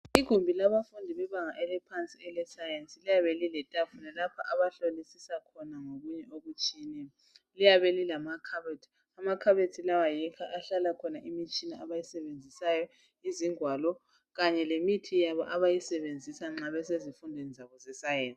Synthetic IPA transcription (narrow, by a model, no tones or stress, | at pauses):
iɡ̥ʱumbʱilaβafundʱiβɛβaŋaʔɛlɛpʰant͡sʼiɛlɛsajensʼilijaβelilɛtʼafunalapʰa̰ʔaβaɬolisisakʰɔnaŋoɣuɲɛoɣut͡ʃʼiːni | lijaβelilamakʰaβetʰi̥ | amakʰaβetʰilawajikʰaʔaɬalakʰɔnaʔimit͡ʃʼinaaβajisɛβend͡zʱisajɔ | iziŋwalɔ | ɣaɲɛlemitʰijaβɔ̰ʔaβajisɛβend͡zʱisaŋ͡ǁaβɛsezifundʱwenizaβɔzɛsajensi